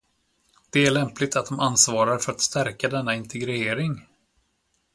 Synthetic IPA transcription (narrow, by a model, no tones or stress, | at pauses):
d̪̥ɛæɭɛmplɪɡt̪at̪̚d̪ɔmansvɑːɾaɾfœɾat̪st̪æɾkad̪ɛnːaɪnt̪ʰɛɡɾɪeːɾɪŋ